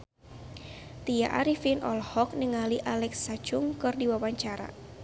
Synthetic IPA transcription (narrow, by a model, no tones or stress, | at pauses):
t̪ija̰ʔa̰ɾifinʔɔlhɔk̚nəŋaliʔalɛksːat͡ʃuŋkɨrdiwawaɲt͡ʃaɾa̰